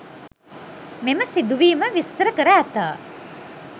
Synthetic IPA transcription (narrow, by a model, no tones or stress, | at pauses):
meməsid̪uʋiːməʋist̪əɾəkəɾaːt̪aː